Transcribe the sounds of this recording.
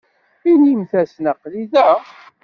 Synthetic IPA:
inimθæsnəqːliðæ

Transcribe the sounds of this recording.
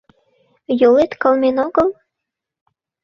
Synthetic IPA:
jolet̪kɤ̆lmenoɣəlˠ

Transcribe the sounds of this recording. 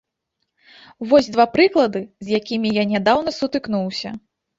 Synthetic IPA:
vɔzʲd̪vapɾɨklˠɐd̪ɨzʲjakʲimʲijanʲad̪awnɐsut̪ɨknuwsʲɐ

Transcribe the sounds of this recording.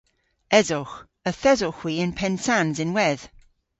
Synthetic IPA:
ɛzɔx | əθɛzɔxwiɪ̃npʰɛnsanzɪ̃nwɛð̥

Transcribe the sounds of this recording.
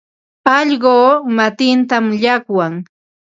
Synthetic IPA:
ɑʎɢoːmat̪ɪnt̪amʎakwaŋ

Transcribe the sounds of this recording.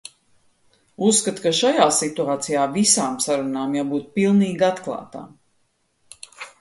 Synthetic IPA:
usːkat̪kaʃajaːsit̪uaːt̪sijaːvisaːmsaɾunaːmjabuːt̪pilˠniːɡat̪klˠɑ̰ːt̪a̰ː

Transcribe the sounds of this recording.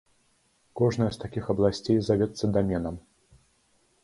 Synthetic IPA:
kɔʐnɐjɐst̪akʲixɐblˠasʲt͡sʲejzavʲɛt̪sɐd̪amʲɛnɐm

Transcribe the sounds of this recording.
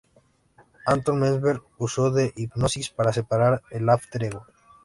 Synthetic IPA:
ãnt̪õnmẽzβeɾ | usowðeʔipnosispaɾasepaɾaɾelaft̪ɾeɣo

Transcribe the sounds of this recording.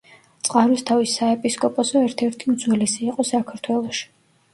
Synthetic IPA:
t̪sʼqʼaɾwist̪ʰavisːaɛpʼiskʼɔpʼɔsɔɛɾt̪ʰɛɾt̪ʰimd̪zwɛlɛsiːqʼɔsakʰaɾt̪ʰwɛlˠɔʃi̥

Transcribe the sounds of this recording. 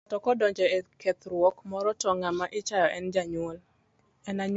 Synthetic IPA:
tɔkɔdɔɲd͡ʒɔeket̪ɾwɔkmɔɾɔtɔŋamaʔɪt͡ʃajɔʔɛnd͡ʒaɲwol | ɛnaɲ

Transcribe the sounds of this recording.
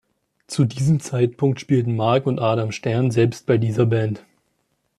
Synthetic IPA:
t͡sudiːzəmt͡saɪt̚pʰʊŋktʃpiːltn̩maɐkʊntʔaːɾamʃtɛɐnzɛlpst̚b̥aɪdiːzɐbɛnt

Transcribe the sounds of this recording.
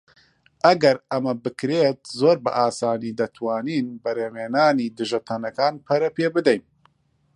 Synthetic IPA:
ʔɐɡɐɾɐmɐbɨkɾeːt̪̚zoːɾbɐ̰ʔaːsaːniːd̪ɐt̪ʰwaːniːnbɐɾeːmeːnaːniːd̪ɨʒɐt̪ʰɐnɐkaːnpʰɐɾɐpeːbɨd̪ɛjn

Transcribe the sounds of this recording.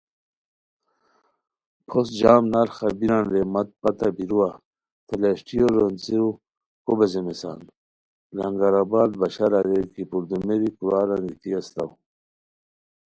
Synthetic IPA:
pʰosd͡ʑaːmnaɾxabiɾanɾemɐt̪̚pɐt̪abiɾuwa | t̪ʰeleɕʈijoɾont͡siɾu | kobezemesa̰ːn | ɾɐŋɡaɾabaːd̪bɐɕaɾaɾekipuɾd̪umeɾikuɾaːɾɐŋɡit̪iɐst̪a̰w

